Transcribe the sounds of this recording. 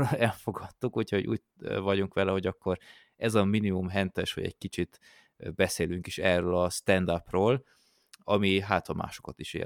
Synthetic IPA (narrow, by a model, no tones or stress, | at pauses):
ɛlfo̞ɡɒt̪ːukuchoɟṵːt | vɒɟuŋkʋɛlɛɦo̞ɟɒkːo̞ɾ | ɛzɒminimumɦɛnt̪ɛʃʋɒ̰ɟɛ̰ɟkit͡ʃit̪ | bɛseːlyŋkiʃɛrøːlɒst̪ɛnd̪aprøːl | ɒmiɦaːt̪hɒmʔa̰ːʃo̞̥kɒt̪iʃḛː